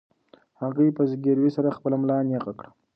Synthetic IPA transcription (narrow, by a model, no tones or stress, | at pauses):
haɣəjpəzɡeɾwisaɾaxpəlamlɑnjeqakɽa